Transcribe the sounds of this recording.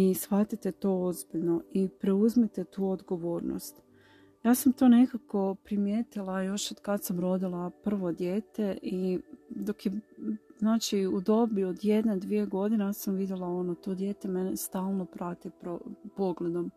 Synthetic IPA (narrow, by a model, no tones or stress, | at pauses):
isxat̪it̪et̪o̞ːozbiʎno̞ipɾeuzmit̪et̪uːod̪ɡo̞ʋo̞ːɾno̰st̪ | jaːsamt̪o̞ne̞kako̞pɾimjeːt̪ilˠajo̞ʃod̪kad̪samɾo̞d̪ilˠapr̩ʋo̞d̪je̞ːt̪e̞ʔid̪o̞kjeznaːt͡ʃiud̪o̞biod̪je̞d̪ned̪ʋije̞ɡo̞d̪inasamʋid̪jelˠao̞not̪oːd̪je̞ːt̪emenest̪aːlˠno̞pɾat̪ipɾopo̞ɡle̞d̪o̞m